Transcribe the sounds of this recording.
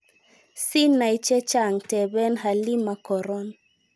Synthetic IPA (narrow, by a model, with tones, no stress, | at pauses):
si˦nːa˨i˦t͡ʃɛ˦t͡ʃa˦˨ŋtɛ˨bɛ˦nɦa˨li˦ma˨kɔ˨ɾɔ˦n